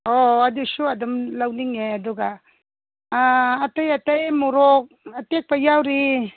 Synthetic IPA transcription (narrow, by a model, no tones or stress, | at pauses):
oadusuɐdɔmlawniŋeɐduɡa | tajɐtajmuɾɔk̚ɐtek̚pajawɾi